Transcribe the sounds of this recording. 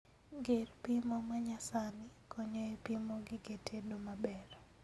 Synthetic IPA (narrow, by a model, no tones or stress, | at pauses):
ɡerpimɔmaɲasanɪkʰɔɲɔepimoɡɪɡetʰedomabɛɾɔ